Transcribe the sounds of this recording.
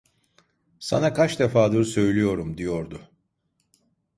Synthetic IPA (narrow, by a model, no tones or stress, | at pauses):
sa̰nakʰat͡ʃd̪efaːd̪ɯɾsø̞jlʲijo̞ɾumd̪ijo̞ɾd̪ʊ